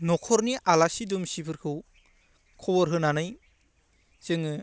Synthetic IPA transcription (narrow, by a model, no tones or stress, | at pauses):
nɔkʰɔɾniʔalasidumsipʰɯɾkʰɯw | kʰɔbɔɾɦɯnanɯj | t͡ʃɯŋɯ